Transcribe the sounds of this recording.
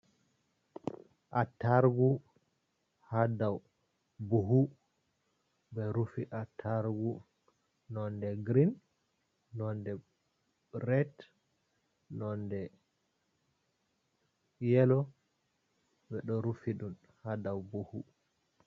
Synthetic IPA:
ʔatːaɾɡu | hadaw | buɦu | bɛɾufiʔatʰaɾɡu | nɔndɛɡɾinː | ɔndɛ | ɾɛt | nɔndɛ | jɛlɔ | bɛɗɔɾufiɗun | hadawbuhu

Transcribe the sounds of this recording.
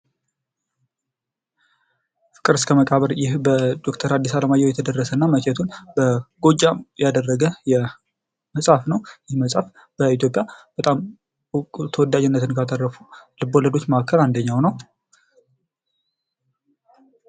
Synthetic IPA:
fɨ̥kʼɨɾɨskʰəməkʼaβəɾjɪhbəd̪o̞kt̪ʰəɾad̪ːisaləmajːɛwjɛt̪ʰəd̪ərːəsənːamət͡ʃɛt̪ʰunbəɡ̥o̞d͡ʒːajad̪ərːəɡəjɛ | məsʼafnəwjɪhməsʼaf | b̥əit̪ʰjopʼjab̥ət̪ʼam | kʼut̪ʰəwɔd̪ːad͡ʒɛnːət̪ʰɨnkʰat̪ʼərːəfulɨbolːəd̪o̞t͡ʃ̪məakːəland̪əɲːawnəw

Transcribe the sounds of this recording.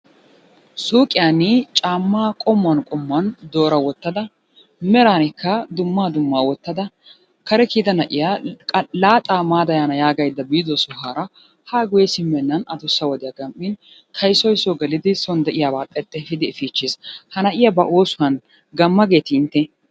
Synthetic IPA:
suːkʼɪjanɪt͡ʃʼaːmːaːkʼɔmːɐnkʼɔmːɐnd̪o̞ːɾɐwɔt̪ːɐd̪ɐ | mɛɾaːnɪkːɐd̪ʊmːaːd̪ʊmːaːwɔt̪ːɐd̪ɐ | kɐɾɛkid̪ɐnɐʔɪjaːlaːt̪ʼaːmaːd̪ɐjaːnɐjaːɡɐjd̪ːɐbiːd̪ɔsʊɦaːɾɐ | haːɡʊjɛsɪmːɛnːɐnɐd̪ʊsːɐwɔd̪ɪjaɡɐmʔːɪn | t̪ʰɐjsɔjsɔɡɛlɪd̪ɪsɔnd̪ɛʔɪjaːbaːt̪ʼɛt̪ʼːɛfɪd̪ɪːfiːt͡ʃːishɐnɐʔɪjɐbɐʔoːsʊɐn | ɡɐmːɐɡe̞ːt̪ɪɪnt̪ːɛ

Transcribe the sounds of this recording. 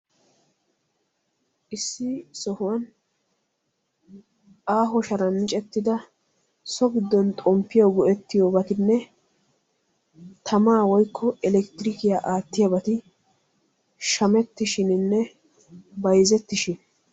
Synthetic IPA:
ʔɪsːɪsɔhʊwɐn | ʔaːɦɔʃɐɾɐnmɪt͡ʃʼɛt̪ːɪd̪ɐ | sɔɡɪd̪ːɔnt̪ʼɔmpːɪjɔɡʊʔɛt̪ːɪjoːbɐt̪ɪnːɛ | t̪ʰɐmaːwɔjkʰːɔɛlɛkt̪ɪɾɪkɪjaːʔaːt̪ːɪjɐbɐt̪ɪ | ʃɐmɛt̪ːɪʃɪnɪnːɛ | bɐjzɛt̪ːɪʃɪn

